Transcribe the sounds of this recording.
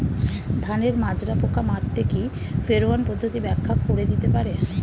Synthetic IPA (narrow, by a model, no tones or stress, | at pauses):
d̪ʱaneɾmad͡ʑɾapokʰamaɾt̪ʰeki | feɾoanpɔd̪ʱːot̪ibɛkʰːakːoɾed̪it̪epaɾe